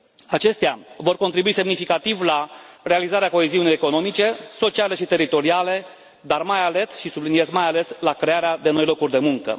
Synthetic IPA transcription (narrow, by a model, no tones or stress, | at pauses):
at͡ʃe̞st̪ea̰vo̞rko̞nt̪ɾibuise̞mnifikat̪ivlarealizaɾeako̞eziunijeko̞no̞mit͡ʃe̞so̞t͡ʃiale̞ʃit̪e̞ɾit̪o̞ɾiale̞ | d̪armajale̞t̪ʃisublinie̞zmajale̞slakɾe̞aɾead̪e̞no̞jlo̞kurʲd̪e̞muŋkə̰